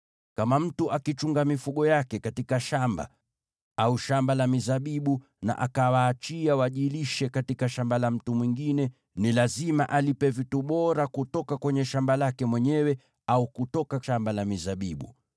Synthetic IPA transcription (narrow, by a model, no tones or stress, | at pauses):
kamam̩tuʔakit͡ʃuŋɡamifuɠɔjakɛkatikaʃamba̰ | auʃambalamizaɓiɓu | na̰ʔa̰kawaːt͡ʃiawaʄiliʃɛkatikaʃambalam̩tumwiŋɡinɛ | nilazimaʔalipɛvituɓɔɾakutɔkakwɛɲɛʃambalakɛmwɛɲɛwɛ | aukutɔkaʃambalamizaɓiɓṵ